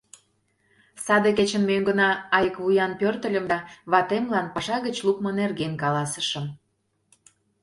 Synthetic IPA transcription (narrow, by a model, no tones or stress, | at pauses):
sɑd̪eket͡ɕənmøŋɡə̆nɑɑjəkβujɑnpørt̪ə̆lʲə̆md̪ɑβɑt̪emlɑnpɑʃɑɣət͡ɕlukmonerɣenkɑlɑsə̥ʃə̆m